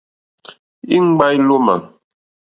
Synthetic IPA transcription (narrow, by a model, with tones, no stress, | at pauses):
i˦ŋ̩˦ɡ͡ba˦jlo˦ma̰˨